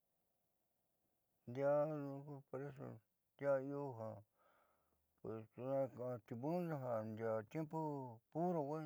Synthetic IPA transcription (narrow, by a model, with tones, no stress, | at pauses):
nd̪ja˦nũ˧˦ku˧po˧ɾe˦s̬o̰˧ | nd̪ja˦i˦o˦ɦã˨ | pwe˨st̪u˧nã˧ka˧t̪i˧βũ˦nda˧ɦa˧nd̪ja˨t̪jẽ˦mpo˦pu˦ɾo˧kʷe˦